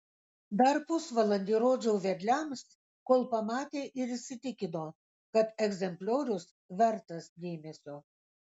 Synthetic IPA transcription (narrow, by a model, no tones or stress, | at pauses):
d̪ɐɾpʊsʋɐlˠɐnʲd̪ʲiːɾoːd͡ʒʲɛʊʋʲɛɾʲlʲæms | koːlˠpɐmɑːt̪ʲeːʔɪɾɪʃʲsʲɪt̪ʲɪkʲɪnoː | kɐt̪ɛɡzʲɛmʲpʲlʲoːɾʲʊs | ʋʲɛɾt̪ɐsd̪ʲeːmʲɛsʲoː